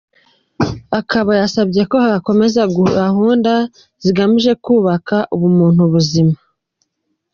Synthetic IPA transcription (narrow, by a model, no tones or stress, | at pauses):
akaβajasabɟe̞ko̞haako̞me̞zaɡuahuːnda | z̥iɡamiʒe̞kuːβakaʔuβumuːn̥huβuzima